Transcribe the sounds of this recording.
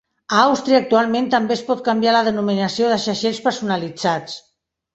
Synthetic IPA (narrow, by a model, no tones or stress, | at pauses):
aawst̪ɾiaːk̚t̪ualˠmẽnt̪əmbespɔt̪̚kambjaləðənuminəsijoðəʃaʃespəɾsunəlid͡zat͡s